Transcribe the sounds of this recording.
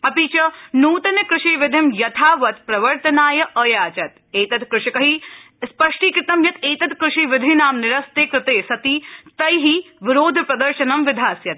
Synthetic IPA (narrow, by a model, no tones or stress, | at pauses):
ɐpiːt͡ʃɐnuːt̪ɐnkɾɪʂiːʋɪd̪ʱɪmjɐt̪ʰaːʋɐt̪pɾɐʋɐɾt̪ɐnaːjɐʔɐjaːt͡ʃɐt̪̚ | eːt̪ɐt̪kɾɪʃikɐɦi | spɐʂʈiːkɾɪt̪ɐmjɐt̪eːt̪ɐt̪kɾɪʃiʋɪd̪ʱinaːmnɪɾɐst̪eːkɾɪt̪eːsɐt̪iːt̪ɐjɦiʋɪɾoːd̪ʱpɾɐd̪ɐɾʃɐnɐmʋɪd̪ʱaːsjɐt̪̚